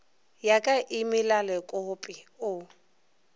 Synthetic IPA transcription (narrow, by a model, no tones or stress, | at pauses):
jakʼaʔɪmɪlalɛkʼʊpʼɪʊ